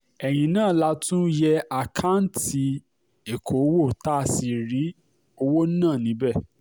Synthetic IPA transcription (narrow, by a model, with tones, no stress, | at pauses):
ɛ˨j̃ĩ˨nãː˦˨la˦˧tũ˦jɛ˧a˨kʰa˦n̩˦ti˧ | e˨kʰo˨˦wo˦˨ta˦˨si˧ɾi˨˦ | o˧wo˦nãː˦˨nĩ˨˦bɛ˦˨